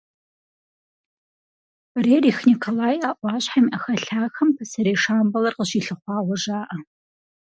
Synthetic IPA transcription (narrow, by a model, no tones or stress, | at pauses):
reːriːxnikʰolaːjaːʔʷɑːɕħamiʔɐxɐɬaːxɐmpʰɐsɐɾeːʂaːmbɐlɐrqəɕiːɬɨχʷɑːwɔʒaːʔɐ